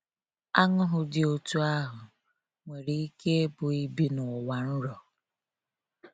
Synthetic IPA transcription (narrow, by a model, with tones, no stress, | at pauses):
a˦ŋʊ˦ɦʊ˨dɪ˨o˨tu˦a˦ɦʊ˨ | ŋʷe˨ɾi˨i˦ke˦e˦bʊ˨i˦bi˦nʊ˨wa˨n̩˦ɾɔ˨